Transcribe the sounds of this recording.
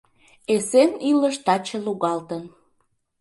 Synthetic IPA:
eseniləʃt̪ɑt͡ɕəluɣɑlt̪ən

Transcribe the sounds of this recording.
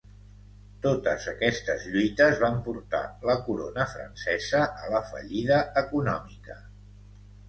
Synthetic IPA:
t̪ot̪əzəkɛst̪əzʎujt̪əzβampuɾt̪a̰ləkuɾonəfɾə̰nsɛzəʔələfə̰ʎiðəəkunɔ̰mikə

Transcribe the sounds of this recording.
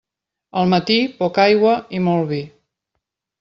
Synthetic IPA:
əlˠmət̪ipɔkajɣwəimɔlˠβi

